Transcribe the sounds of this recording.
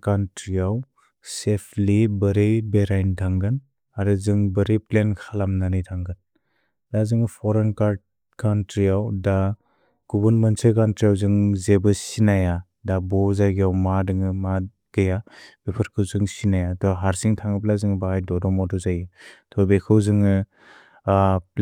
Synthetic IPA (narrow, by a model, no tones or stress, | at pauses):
kantɾiaw | sepʰlibəɾejbeɾajntʰaŋɡɯn | aɾɯzɯŋbəɾeplenkʰalamnanijtʰaŋɡɯn | lazɯŋpʰɔɾenkaɾd̚ | kantɾijawda | ɡ̥ubɐnmensekantɾijawzɯŋzebɯsinaja | dabɔzajɡijawmadɯŋɯma | ɡ̥ɯjab̥epʰaɾkʰɯwzɯŋsinajatʰɔɦaɾsiŋtʰaŋɯplazɯŋbaajdɔdɔmɔdɔzajɯtʰɔbekʰɯwzɯŋɯ